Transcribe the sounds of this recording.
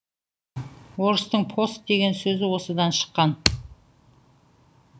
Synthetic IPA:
wo̞ɾəst̪əɴpʰo̞st̪̚d̪e̞ɡʲe̞nsɵzɪwo̞səd̪ɑnʃə̥qːɑn

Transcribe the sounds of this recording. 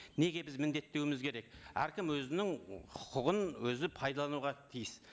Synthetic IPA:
ne̞ɡʲe̞bɪzmɪnd̪e̞t̪ːe̞wɪmɪzkʲʰe̞ɾe̞k̚æ̰ɾkʲɪmwɵzɪnɪŋχʊ̥qʰʊʁənwɵzɪpʰɑjd̪ɑlˠɑnuʁɑt̪ʰijɪs

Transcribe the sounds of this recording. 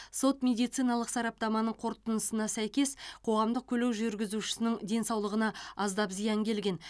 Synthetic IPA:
so̞t̪mʲe̞d̪ijt̪sijnɑlˠəqsɑɾɑp̚t̪ɑmɑnəɴqʰo̞ɾt̪ənəsənɑsæjkʲe̞sqʰo̞ʁɑmd̪əq̚kʲʰɵlewʒʏɾɡʲɪzuʃɪ̥sɪnɪŋd̪e̞nsɑwlˠəʁənɑɑzd̪ɑpzijɑŋkʲʰe̞lɡʲe̞n

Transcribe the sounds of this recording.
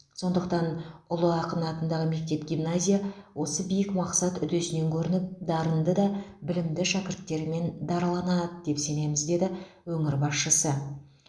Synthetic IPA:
so̞nd̪əq̚t̪ɑnʊlˠəɑqənɑt̪ənd̪ɑʁəme̞k̚t̪e̞pɡʲijmnazʲijawo̞səbijɪkmɑqsɑt̪ʏd̪esɪne̞ŋkʲʰɵɾɪnɪp̚d̪ɑɾənd̪əd̪ɑbɪlɪmd̪ɪʃækʲɪɾt̪ːe̞ɾme̞nd̪ɑɾəlˠɑnɑd̪əd̪e̞pse̞ne̞mɪzd̪e̞d̪ɪ | wɵŋɪɾbɑsʃəsə

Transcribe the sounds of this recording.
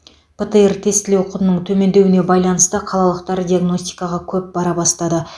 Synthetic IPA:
pʰət̪əert̪ʰe̞st̪ɪlewqʰʊt̪ənəɴt̪ʰɵme̞nd̪e̞wɪne̞bɑjlˠɑnəst̪əqʰɑlˠɑlˠəqt̪ɑɾd̪ʲiaɡno̞st̪i̥jkɑʁɑkʲʰɵp̚bɑɾɑbɑst̪ɑd̪ə

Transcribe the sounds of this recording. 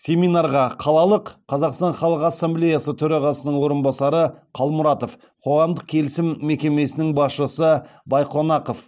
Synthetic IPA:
sʲe̞mijnɑɾʁɑqʰɑlˠɑlˠəqʰːɑzɑqst̪ɑɴχɑlˠəqɑsːemblʲe̞jasət̪ʰɵɾɑʁɑsənəɴwo̞ɾənbɑsɑɾəqʰɑlˠmʊɾɑt̪o̞f | qʰo̞ʁɑmd̪əq̚kʲʰe̞lɪsɪmːe̞kʲe̞me̞sɪnɪŋbɑsʃəsəbɑjqʰonɑqof

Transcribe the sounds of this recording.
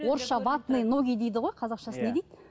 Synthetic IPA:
wo̞ɾsʃɑbɑt̪nɨjnoɡʲijd̪ejd̪ɪʁojqʰɑzɑqʃɑsəne̞d̪ejd̪ɪ

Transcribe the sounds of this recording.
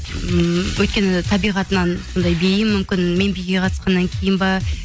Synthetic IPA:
əmwʔɵjt̪̚kʲe̞nɪt̪ʰɑbijʁɑt̪ənɑnso̞nd̪ɑjbejɪmːʏmkʲɪnme̞nbejɡʲe̞qʰɑt̪ə̥sqɑnːɑŋkʲʰe̞jɪnbɑɾ

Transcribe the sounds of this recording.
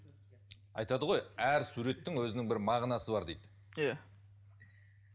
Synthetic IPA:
ɑ̰jt̪ɑd̪əʁo̞jæɾsuɾe̞t̪ːɪŋwɵzɪnɪŋbɪɾmɑʁnɑsəbɑɾd̪ejd̪ɪ | ja

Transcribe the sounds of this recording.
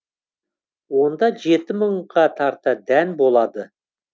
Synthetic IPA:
wo̞nd̪ɑʒe̞t̪ɪməɴqɑt̪ʰɑɾt̪əd̪ænbo̞lˠɑd̪ə

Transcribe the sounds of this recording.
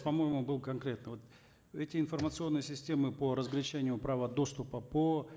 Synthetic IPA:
pɐmo̞jɪmʊbɨlˠkɐnkɾʲe̞t̪nɨvo̞t̪ | ɛtʲɪɪnfərmət̪sɨo̞nːɨjəsʲɪsʲtʲe̞mɨpəɾəzɡlʲɪt͡ɕænʲɪjʊpɾavəd̪o̞st̪ʊpəpo

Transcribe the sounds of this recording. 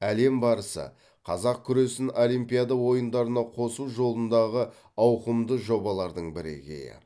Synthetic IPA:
æle̞mbɑɾəsə̰ | qʰɑzɑq̚kʲʰʏɾe̞sɪno̞lˠijmpijad̪ɑwo̞jənd̪ɑɾənɑqʰo̞suʒo̞lˠənd̪ɑʁə | ɑwqəmd̪əʒo̞bɑlˠɑɾd̪əɴbɪɾḛɡʲḛjɪ̰

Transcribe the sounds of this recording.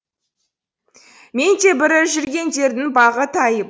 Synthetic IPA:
me̞nd̪e̞bɪɾɪʒʏɾɡʲe̞nd̪e̞ɾd̪ɪŋbɑʁət̪ɑjə

